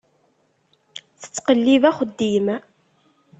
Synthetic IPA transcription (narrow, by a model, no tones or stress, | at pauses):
θə̥t͡sːqəlːivæχəd̪ːimæ